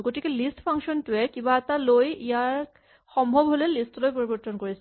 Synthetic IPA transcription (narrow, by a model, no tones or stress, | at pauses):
ɡotikɛlistpʰaŋksɔntʊɛkibaɛt̪alojijaɹ | xɔmbʱɔbɦolɛlistlojpoɹibɔɹt̪ʰɔnkoɹis